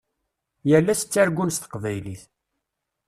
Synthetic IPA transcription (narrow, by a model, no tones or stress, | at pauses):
jəlːæsə̥t͡sːæɾɡʷːunst̪ə̥qvæjliθ